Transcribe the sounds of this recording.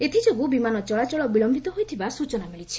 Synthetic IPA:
et̪ʰid͡ʒoɡubimanɔt͡ʃɔɭat͡ʃɔɭɔbilɔmbʱit̪ɔɦojt̪ʰibasut͡ʃɔnamiɭit͡ʃʰi̥

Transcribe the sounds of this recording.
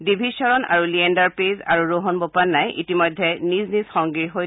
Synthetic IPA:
dibʱisɔɹɔna̰ɹuliɛndaɹpeza̰ɹuɹoɦɔnbopanːajʔḭtimɔjdʱːɛniznizxɔŋɡiɹɦoj

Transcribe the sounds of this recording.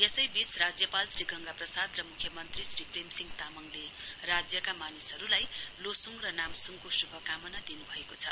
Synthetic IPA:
esʌjbit͡srad͡zjʌpalsriɡʱʌŋɡaprʌsad̪rʌmukʰjʌmʌnt̪risripremsiŋt̪amʌŋlerad͡zjʌkamanisɦʌɾulajlosuŋrʌnamsuŋkosubʱʌkamʌnʌd̪inubʱʌekot͡sʰʌ

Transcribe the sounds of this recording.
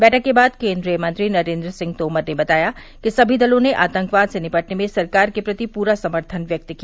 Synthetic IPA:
bɛːʈʰəkːebaːd̪kẽːnd̪ɾijəmɐ̃nt̪ɾinɐɾẽːnd̪ɾəsɪ̃ŋɡ̚t̪oːməɾnebɐt̪aːja | kisɐbʱid̪ɐlõneʔa̰ːt̪ɐ̃ŋkʋaːd̪senɪpəʈnemẽsɐɾkaːɾkepɾɐt̪ipuːɾasɐməɾt̪ʰənʋjɐk̚t̪ki

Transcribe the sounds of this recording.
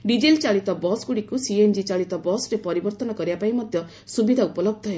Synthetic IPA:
ɖid͡ʒelt͡ʃaɭit̪ɔbɔsɡuɽikusiend͡ʒit͡ʃaɭit̪ɔbɔsɾepɔɾibɔɾt̪ɔnɔkɔɾibapaimɔd̪ʱjɔ | subid̪ʱaupɔlɔb̚d̪ʱɔɦe

